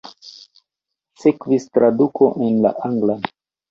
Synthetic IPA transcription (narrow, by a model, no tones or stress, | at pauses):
sekvistɾʔadukʰo̞ʔenla̰ʔaŋɡla